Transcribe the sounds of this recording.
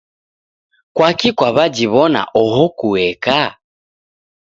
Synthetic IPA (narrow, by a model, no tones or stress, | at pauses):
kwakikwaβad͡ʒiβɔna̰ʔɔɦɔkuɛka